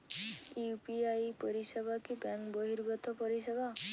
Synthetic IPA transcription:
kiupiajpɔɾisebakibaŋkbɔɦiɾbɔt̪ɔpɔɾiseba

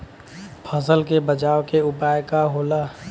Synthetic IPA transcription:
pʰəs̬əlkebəd͡ʒaːwkeʊpaːjkaɦoːlaː

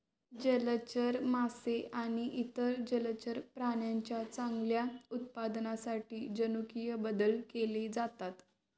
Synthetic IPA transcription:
d͡ʑələt͡ɕəɾmaseʔaɽ̃iʔit̪əɾd͡ʑələt͡ɕəɾpɾaɳjaɲt͡ɕjat͡sãŋɡljaut̪̚pad̪nasaʈiːd͡ʑənukijəbəd̪əlkeled͡zat̪at̪

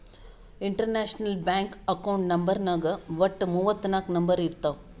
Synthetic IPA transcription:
iɳʈɐɾneːʃnɐlbjaːŋkɐkɐwɳʈnɐmbɐɾnɐɡɐʋɐʈːmuʋɐt̪ːnaːknɐmbɐɾiɾt̪a

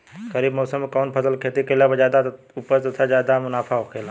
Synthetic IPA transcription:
kɐɾiːbmɔːsəmːekɔːnpʰɐsəlkʰeːt̪ikelabəzjaːd̪a | upəɾt̪ɐt̪ʰazjaːd̪amʊnaːpʰaɦokʰeːla

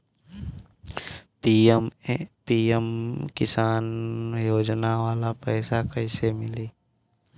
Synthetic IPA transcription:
pimpiːəmkɪsaːnjoːd͡ʒnaʋaːlapɛːsakəɪsemɪliː

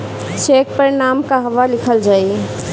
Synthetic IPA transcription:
t͡ʃek̚pəɾnamkaɦəʋalikʰəld͡ʒaj

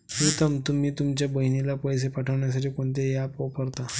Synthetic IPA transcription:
kit̪əmt̪um̤iːt̪umt͡ɕjabəɦinilapəjs̬epaʈʰəʋɳjas̬aʈʰiːkoɳt̪ejapopəɾt̪a

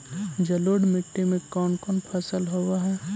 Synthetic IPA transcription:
d͡ʒɐloːɽmɪʈːemẽkɔːnkɔːnpʰɐsəlɦowaɦɛː

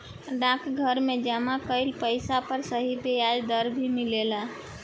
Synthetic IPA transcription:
ɖãkɡʱəɾmed͡ʒəmakəjlpəjsapəɾsəɦib̪ead͡ʒd̪əɾbʱimilela

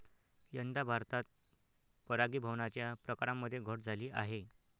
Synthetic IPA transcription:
jənd̪abʱaɾt̪at̪̚ | pəɾaɡiːbʱəʋɳat͡ɕjapɾəkaɾamːəd̪ʱːjeɡʱəʈd͡zʱaliːʔa̰ɦe

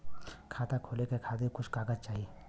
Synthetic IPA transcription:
kʰat̪akʰolekekʰad̪ekʊt͡ʃʰkaɡət͡ʃaɦi

